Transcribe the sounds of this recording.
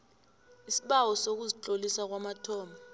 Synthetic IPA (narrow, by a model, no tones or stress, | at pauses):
isiɓawɔsok̬uzit͡ɬʼolisak̬wamatʰɔːma